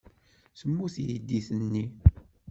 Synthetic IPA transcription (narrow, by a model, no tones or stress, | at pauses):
səmːuθjid̪ːiθənːi